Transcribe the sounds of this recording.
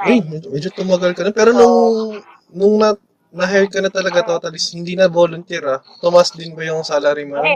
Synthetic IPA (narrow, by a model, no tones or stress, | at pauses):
ʔɐjmɛd͡ʒmɛd͡ʒot̪ʊmɐɡɐlkɐnopɛːɾo̞nʊŋ | nʊŋnɐ | nɐɦɛjd̪̚kɐnɐt̪ɐlɐɡat̪oːt̪ɐlɪshɪnd̪iːnɐboːlʊnt̪ɛːɾɐ | t̪ʊmɐsd̪ɪnbɐjʊŋsaːlɐɾimʊnɐ